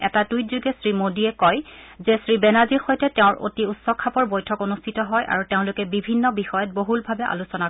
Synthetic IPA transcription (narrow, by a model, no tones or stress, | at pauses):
ɛtatujzuɡɛsɹimodiɛkɔjzɛsɹibɛnaziɹxojtɛtɛʊ̃ɹʔo̰tiutsɔkʰːapɔɹbojtʰɔkonustʰitɔɦɔjʔa̰ɹuteʊ̃lʊkɛbibʱinːɔbixɔjɔt̚boɦulbʱabɛʔa̰lusɔna